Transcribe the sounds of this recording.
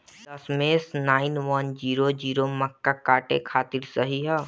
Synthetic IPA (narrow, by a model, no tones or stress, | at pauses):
ɐsmeːsnaːɪnʋɐnd͡ʒiːɾod͡ʒiːɾomɐkːakaːʈekʰaːt̪ɪɾsɐɦiɦɛ